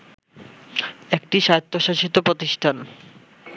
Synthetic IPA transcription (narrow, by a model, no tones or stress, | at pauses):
ek̚ʈiʃat̪ʰːoʃaʃit̪opɾot̪iʃʈʰan